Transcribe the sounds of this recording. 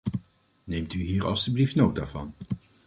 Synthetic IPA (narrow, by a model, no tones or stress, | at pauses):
nejmtyɦiːɹʔɑ̰lˠsyblifnowtaːvɑ̰n